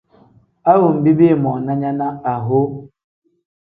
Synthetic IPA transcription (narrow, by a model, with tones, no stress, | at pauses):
a˦ɣʊ˨m̩˨bi˦bi˦˨mɔ˨na˦ɲa˦na˦a˨ɦʊ˦